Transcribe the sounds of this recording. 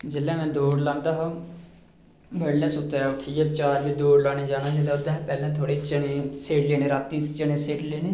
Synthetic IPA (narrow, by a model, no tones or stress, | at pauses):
d͡ʒelɛ̃ːmɛ̃ːd̪oːɖlãːnd̪aːɦõː | məɽnẽːsʊt̪ːeʊt̪ʰːiːjat͡ʃaːɾd̪iːd̪oːɖlaːneːd͡ʒaːnaːd͡ʒeleːʊd̪ãpɛːlãːt̪ʰoːɽiːt͡ʃəɳẽːseːʈleːneːɾaːt̪ːĩːt͡ʃənẽːseːʈleːnẽː